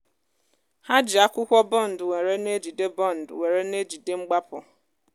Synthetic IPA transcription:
ha˦d͡ʒɪ˨a˦kʷʊ˦kʷɔ˦bɔ˦˨n̩˨dwe˨ɾe˦ne˦d͡ʒi˨de˦bɔ˦˨n̩˨dwe˨ɾe˦ne˦d͡ʒi˨de˦ŋ͡m̩˦ɡ͡ba˦pʊ̰˨

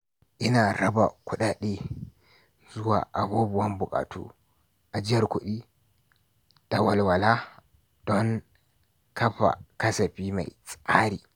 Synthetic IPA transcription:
ʔɪ˦na˨ɾa˦ba̰˨ku˦ɗa˦ɗi˦ | zʊ˦wa̰ː˨ʔa˨boː˦bu˨wa˦mbʊ˨kʼa̰ː˨tʰṵ˦ | ʔa˨d͡ʒɪ˦ja˨ɾko˨ɗi˦ | ta˨wa˨lwa˨la˦ | d̥ɔ˦ŋ | kʰɐ˦ɸa̰˨kɐ˦sa˨ɸi˦ma̰˨jt͡sʼaː˦ɾḭ˨

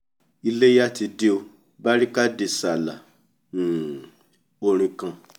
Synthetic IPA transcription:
i˧le˦ja˦ti˧de˦o˧ | ba˦ɾi˦ka˦de˧sa˨lã̰˨ | o˧ɾ̃ĩ˧kã˧

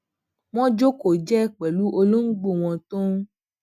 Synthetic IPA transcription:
w̃ɔ̃˦d͡ʒo˦ko˨d͡ʒɛ˦˨k͡pɛ˨lu˨˦ʔo˧lo˦n̩˦ɡ͡bo˦˨w̃ɔ̃˧tõ˦

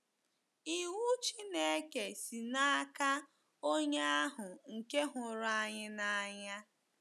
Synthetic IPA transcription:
i˨wu˦t͡ʃi˦ne˦ke˨si˨na˦ka˦ | o˦ɲe˦a˦ɦʊ˨ŋ̩˨ke˦ɦʊ˨ɾa˦ɲɪ˦na˨a˨ɲa˦

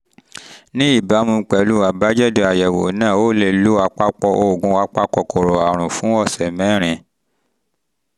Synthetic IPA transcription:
nĩ˦i˦˨ba˨˦mũ˧˦k͡pɛ˨lu˦a˨ba˦d͡ʒɛ˦˨do˧a˨jɛ˨wo̰˨nãː˦˨o˦le˧lo˦a˧k͡pa˦k͡pɔ˧ʔo˧˨ɡũ˧˦a˧˦k͡pa˦k͡pɔ˧ko˨ɾo˨a˨ɾ̃ũ˨fũ˨˦ɔ˦˨sɛ˨mɛ̃˨˦ɾ̃ĩ˧˨

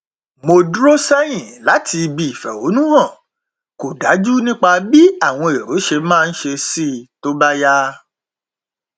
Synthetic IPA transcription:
mo˧dɾo˦sɛ˦j̃ĩ˦˨la˨˦tʰi˧bi˧i˨fɛ̰˨wo˨˦nũ˦ɦã˦˨ | ko˨da˨˦d͡ʒu˦nĩ˦k͡pa˧bi˦a˦˨w̃ɔ̃˧e˨ɾo˨˦ʃe˧mãː˦˧n̩˦ʃe˧si˦˨to˦ba˦ja˦

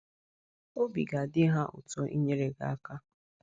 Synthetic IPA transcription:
o˦bi˨ɡa˨dɪ˦ɦa˦ʔʊ̰˨tɔ˦ʔi˦ɲe˦ɾe˨ɡa̰˦˨a˦ka˦

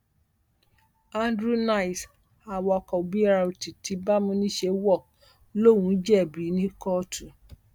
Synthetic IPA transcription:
a˦ndɾu˦na˦i˨s | a˨wɔ˧˨kɔ˨bi˦ɾa˧u˨ti˨ti˧˦ba˦mũ˧˦nĩ˦ʃe˧˦wɔ˦˨ | lo˦˨wũ˨˦d͡ʒɛ˦˨bi˨˦nĩ˦kɔ˦˨tʰu˨

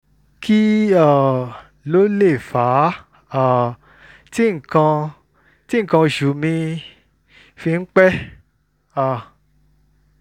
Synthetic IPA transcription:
ki˦a˦˨ | lo˦le˦˨fa˨˦ | a˦˨ | ti˦ŋ̩˨kã˧ | ti˦ŋ̩˦˨kã˧o˨ʃu˨˦mĩ˧ | fi˧ŋ̩˦k͡pɛ˦ | a˦˨

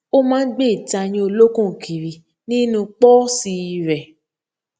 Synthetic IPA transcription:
o˦mãː˦n̩˦ɡ͡be˦˨i˨ta˧j̃ĩ˦o˧lo˦kũ˦˨kʰi˨ɾi˨ | nĩ˦nũ˧k͡pɔ˦si˧i˧ɾɛ˨

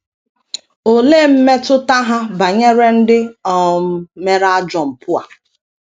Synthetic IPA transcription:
o˨le˦˨m̩˦me˦tʊ˦ta˦ɦa˦ba˨ɲe˦ɾe˦n̩˦dɪ˦ɔ˨˦me˦ɾa˦d͡ʒɔ˨m̩˨pʊ˦a̰˨

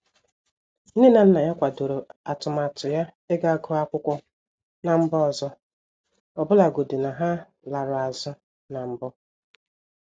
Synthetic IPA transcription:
n̩˦ɪ˦na˨n̩˦na˨ja˦kʷa˨do˨ɾo˨a˨tʊ˨ma˨tʊ˨ja˦ | e˦ɡa˦˨ɡʊ˦a˦kʷʊ˦kʷɔ˦ | na˨m̩˦bɔ˦ɔ˨zɔ˦ | ɔ˨bʊ˦la˨ɡo˨dɪ˨na˨ɦa˦ | la˨ɾʊ˨a˨zɔ˦ | na˨m̩˦bɔ˦

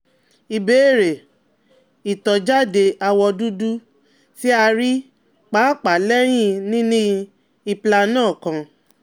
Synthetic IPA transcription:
i˧beː˨˦˨ɾe˨ | i˨tɔ˨d͡ʒa˦de˧a˧wɔ˧du˦du˦ | ti˦a˧ɾi˦ | k͡pa˨˦˨k͡pa˨lɛ˦j̃ĩ˦nĩ˦nĩ˦ | i˧pla˧nãː˦˨kã˧

